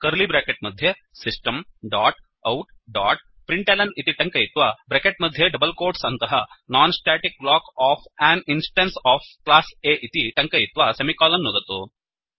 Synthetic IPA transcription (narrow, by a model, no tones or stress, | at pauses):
kɐɾlibɾeːkeʈ̚mɐd̪ʱje | sisʈɐmɖaːʈ | ɐwʈ | ɖaːʈ | pɾiɳʈeːlɐnit̪iʈɐŋkɐjit̪ʋabɾekeʈ̚mɐd̪ʱjeɖɐbɐlkoːɾʈsɐnt̪ɐɦɐnaːnsʈaːʈik̚blaːkaːpʰaːninsʈɐnsaːpʰklaːseːʔit̪iʈɐŋkɐjit̪ʋaːsemikaːlɐnːod̪ɐt̪u